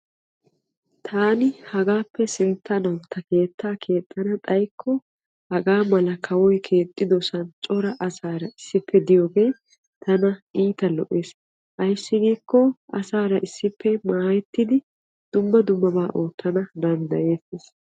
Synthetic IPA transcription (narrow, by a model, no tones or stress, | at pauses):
t̪ʰaːnɪhɐɡaːpːɛsɪnt̪ːɐnɐnt̪ʰːɐke̞ːt̪ʰːaːkʰe̞ːt̪ʼːɐnɐt̪ʼɐjkʰːɔ | hɐɡaːmɐlɐkʰɐwɔjkʰe̞ːt̪ʼːɪd̪ɔsɐnt͡ʃʼɔɾɐʔɐsaːɾɐɪsːɪpʰːɛd̪ɪjoːɡej | t̪ɐnɐʔiːt̪ɐlɔ̰ʔe̞ːs | ʔɐjsːɪɡiːkːɔɐsaːɾɐʔɪsːɪpʰːɛmaːjɛt̪ːɪd̪ɪ | d̪̥ʊmːɐd̪ʊmːɐbaːʔo̞ːt̪ːɐnɐd̪ɐnd̪ɐje̞ːseːs